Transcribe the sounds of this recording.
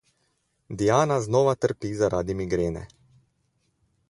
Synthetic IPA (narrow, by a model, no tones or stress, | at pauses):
d̪ijaːnaznɔːʋat̪əɾpiːzaɾaːd̪imiɡɾeːnɛ̰